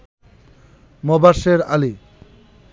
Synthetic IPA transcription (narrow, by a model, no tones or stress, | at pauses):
mɔbaʃeɾali